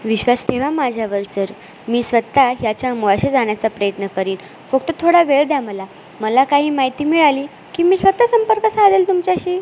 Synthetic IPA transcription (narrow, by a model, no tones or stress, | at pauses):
ʋiɕʋasʈʰeʋamad͡ʑʱjaʋəɾsəɾ | miːsʋət̪ːaɦjat͡ɕjaəmuʋaɕed͡zaɳ̃jat͡sapɾəjət̪nəkəɾiːn | fək̚t̪ət̪ʰoɽaʋeɭd̪jaməla | məlakaɦiːmaɦit̪iːmiɭaliː | kiːmiːsʋət̪ːasəmpəɾkəsad̪elt̪umt͡ɕaɕiː